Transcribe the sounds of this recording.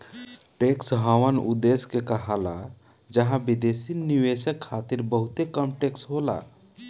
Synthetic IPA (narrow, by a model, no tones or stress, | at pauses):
ʈeksɦəwənṵd̪eskekəɦala | d͡ʒəɦãbid̪esiniwesəkʰːat̪iɾbəɦut̪ekəmʈeksɦola̰